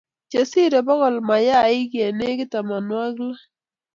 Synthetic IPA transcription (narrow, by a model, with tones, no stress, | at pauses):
t͡ʃe˨si˦ɾe˨bɔ˦ɣɔ˨lma˨ja˦i˦kje˨ne˦kɪ˦ta˨ma˨nwa˦kla˦